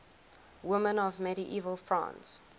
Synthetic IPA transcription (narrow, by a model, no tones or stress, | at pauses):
wɪmə̃nɔvmɛɾiʔiːvəlˠfɹã̰ns